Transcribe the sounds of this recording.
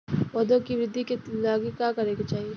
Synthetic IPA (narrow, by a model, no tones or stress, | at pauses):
ʋɐd̪õkiʋɾɪd̪ʱːikelaːɡikakɐɾeket͡ʃaːɦie